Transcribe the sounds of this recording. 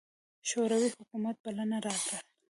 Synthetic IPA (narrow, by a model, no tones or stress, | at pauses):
ʃoɾawihʊkumat̪̚balanaɾɑka